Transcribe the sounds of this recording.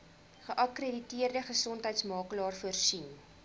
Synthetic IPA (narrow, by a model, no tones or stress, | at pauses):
χəʔɐkrəditiərdəχəsɔntɦəjtsmɑːkəlɑːrfuərsin